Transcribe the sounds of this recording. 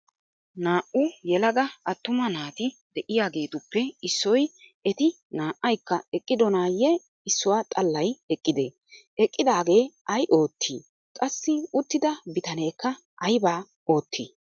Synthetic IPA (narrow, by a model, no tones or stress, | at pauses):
naːʔʊjɛlɐɡ̪ɐɐt̪ːʊmɐnaːt̪ɪd̪ɛʔɪjaːɡe̞ːt̪ʊpːɛɪsːɔj | ɛt̪ɪ | naːʔːɐjkːɐɛkʼːɪd̪ɔnaːjɛ | ɪsːɔwaːt̪ʼɐlːɐjɛkʼːɪd̪eː | ɛkʼːɪd̪aːɡe̞ːʔɐjʔo̞ːt̪ʰːḭː | kʼɐsːɪʊt̪ːɪd̪ɐbɪt̪ɐne̞ːkːɐ | ʔɐjbaː | o̞ːt̪ʰːiː